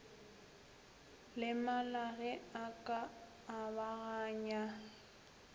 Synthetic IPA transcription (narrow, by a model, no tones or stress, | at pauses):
lɪmalaɣɛakʼaː | baɣaːɲa